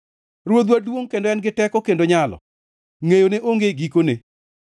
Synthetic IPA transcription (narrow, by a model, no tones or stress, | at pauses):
ɾwod̪wadwoŋkendɔɛnɡɪtɛkɔkendoɲalɔ̰ | ŋejoneʔoŋɡeɡikone